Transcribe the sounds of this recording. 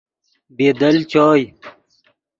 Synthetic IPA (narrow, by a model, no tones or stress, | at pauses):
beːd̪ɐlt͡ɕɔːj